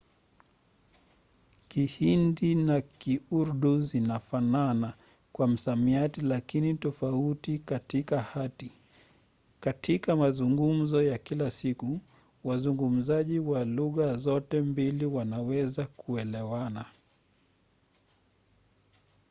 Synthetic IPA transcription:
kihindinakiuɾɗuzinafanana | kwam̩samiatilakinitɔfautikatikahati | katʰikamazuŋɡum̩zɔjakilasiku | wazuŋɡum̩zaʄiwaluɣazɔtɛmbiliwanawɛzakuɛlɛwana

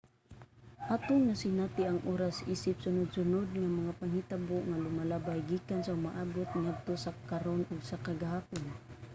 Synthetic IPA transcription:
hat̪ʊŋːasɪnat̪ɪʔaŋʔoːɾasiːsɪp̚sʊnʊd̪̚sʊnod̪̚ŋamɐŋapaŋhit̪abʊʔŋalʊmalabajɡiːkansaʊmaʔaːbot̪̚ŋad̪̚t̪osakaɾonʔʊɡsakaɡahaːpʊn

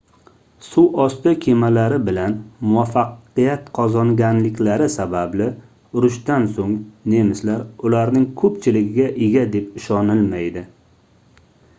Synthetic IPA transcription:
sʊwʔɒst̪ɪkʲʰemalaɾɪbɪlanmʊwafːɑqijat̪qʰɒzɒŋɡʲanlɪkʲlaɾɪsabablɪ | ʊɾʊʃt̪ansoŋne̞mɪslaɾʊlaɾnɪŋkʰɵpt͡ʃʰɪlɪɡʲɪɡʲaʔeɡʲad̪e̞pɪʃɒnɪlmajd̪ɪ

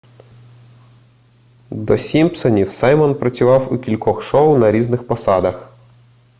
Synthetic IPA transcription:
d̪ɔsʲimʲpsɔnʲiwsɑjmɔnpɾɐt͡sʲʊʋɑwukʲilʲkɔxʃɔwnɐɾʲiznɪxpɔsɑd̪ɐx

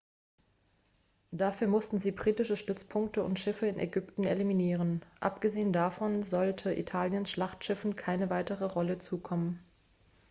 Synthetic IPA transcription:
d̥afyːɐmʊstn̩ziːbʁiːtɪʃəʃtʏt͡spʰʊŋk̚təʊ̰ntʃɪfəɪnʔɛ̰ɡʏptn̩ḛliminiːʁənʔa̰pɡ̥əzeːəndafɔnzɔltʰəʔḭtʰaːljənsʃlaχtʃɪfn̩kʰaɪnəvaɪtəʁəʁɔlət͡suːkʰɔmən

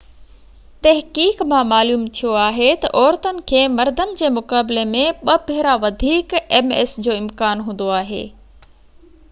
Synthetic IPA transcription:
t̪ɐɦkiːkmãmaːluːmt̪ʰijoaːɦet̪ɐ̰ʔɔːɾt̪ənɪ̆kʰeːmɐɾd̪ʱənɪ̆d͡ʑeːmʊkaːbɪlemẽɓɐpɪɦɪɾaʋɐd̪ʱiːkɛmḛsd͡ʑoːɪmkaːnɦũːn̆d̪oaːɦḛː

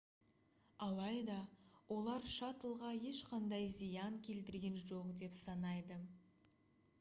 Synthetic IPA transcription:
ɑlˠɑjd̪ɑwʔo̞lˠɑɾʃɑt̪əlˠʁɑje̞ʃqɑnd̪ɑjzijɑŋkʲʰe̞lt̪ɪɾɡʲe̞nʒoqd̪e̞psɑnɑjd̪ə

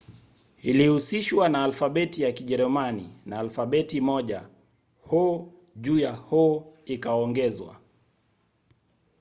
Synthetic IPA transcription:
ilihusiʃwanaːlfaɓɛtijakiʄɛɾɛmanḭnaːlfaɓɛtimɔʄa̰ | hɔ | ʄuːjahɔikaɔŋɡɛzwa̰

